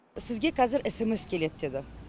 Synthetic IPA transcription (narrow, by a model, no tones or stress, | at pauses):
sɪzɡʲe̞kʰæzɪɾʔɪsɪmɪskʲʰe̞le̞t̪̚d̪e̞d̪ɪ